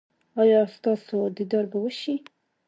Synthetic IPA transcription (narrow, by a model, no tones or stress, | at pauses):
ɑjɑst̪ɑsod̪id̪ɑɾbawəʃi